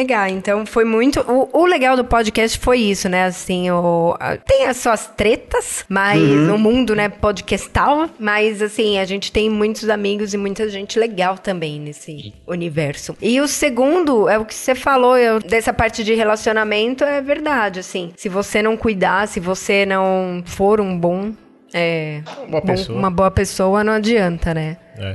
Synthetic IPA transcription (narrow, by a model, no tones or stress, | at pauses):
eɡawẽnt̪ɐ̃w̃fojmũj̃t̪ʊʔʊʊleɡawd̪ʊpod͡ʒɪkɛst͡ʃɪ̥fojisʊnɛasĩʊ̰t̪ẽj̃ɐsuɐst̪ɾet̪ɐsmajznʊmũd̪ʊnɛpod͡ʒɪkɛst̪awmɐzasĩaʒẽnt͡ʃɪ̥t̪ẽj̃mũj̃t̪ʊzamiɡʊzɪmũj̃t̪ɐʒẽnt͡ʃɪleɡawt̪ɐ̃mbẽj̃nesɪunivɛɾsʊɪʊseɡũnd̪ʊɛʊkɪ̥sefaloɛʊd̪ɛsɐpaɾt͡ʃɪd͡ʒɪhelasionamẽnt̪ʊɛveɾd̪ad͡ʒɪasĩsɪvosenɐ̃w̃kujd̪asɪvosenɐ̃w̃foɾũbõ | ɛ̃ | bõũmɐboɐpesowɐnɐ̃w̃ad͡ʒiɐ̃nt̪ɐnɛɛ̰